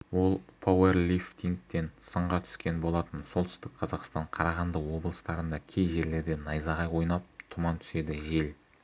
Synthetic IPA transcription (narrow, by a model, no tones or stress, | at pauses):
wo̞lˠpʰowerlʲift̪iŋk̚t̪e̞nsəɴʁɑt̪ʰʏ̥skʲe̞nbo̞lˠɑt̪ənso̞lˠt̪ʏ̥st̪ɪk̚qʰɑzɑqst̪ɑɴqʰɑɾɑʁɑnd̪əwo̞blˠəst̪ɑɾənd̪ɑkʲʰe̞jʒe̞ɾle̞ɾd̪e̞nɑjzɑʁɑjwo̞jnɑp̚t̪ʰʊmɑnt̪ʰʏ̥se̞d̪ɪʒe̞l